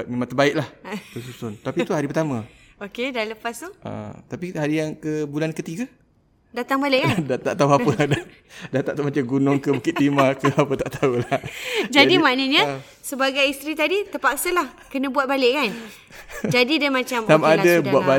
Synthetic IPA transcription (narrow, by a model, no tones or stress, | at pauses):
at̪̚memãŋt̪əbaɪʔlaht̪əsusʊnt̪apit̪uɦaɾipərt̪amə | okedaləpast̪uʔa̰t̪apihaɾijaŋkəbulankət̪iɡə | dat̪aŋbalɪʔkadat̪aʔt̪auapəda | dat̪aʔt̪amat͡ʃaɡunʊŋkəbukɪt̪limakəapət̪aʔt̪aulahd͡ʒadimaʔnəɲə̃ | səbaɡajist̪ɾit̪adit̪əpaksəlahkənə̃buat̪̚balɪʔkan | d͡ʒadidəmãt͡ʃamamaadəbuat̪ba